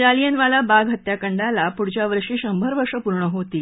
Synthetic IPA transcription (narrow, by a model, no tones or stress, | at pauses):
ʈalijənʋalabaɡʱɦət̪jakəɳɖalapuɽt͡ɕjaʋəɾʂiːɕəmbʱəɾʋəʂəpuɾɳəɦot̪iː